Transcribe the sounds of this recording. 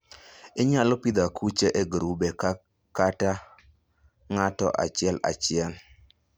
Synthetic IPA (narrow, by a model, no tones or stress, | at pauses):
ɪɲalɔpid̪akʰut͡ʃeʔeɡɾubeka | kata | ŋatɔ̰ʔa̰t͡ʃɪɛla̰t͡ʃɪɛn